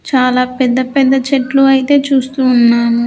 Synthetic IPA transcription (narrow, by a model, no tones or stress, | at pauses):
t͡ʃaːlaːpɛd̪ːɐpɛd̪ːɐt͡ʃeʈluɐjit̪e̞ːt͡ʃuːst̪uːnːaːnu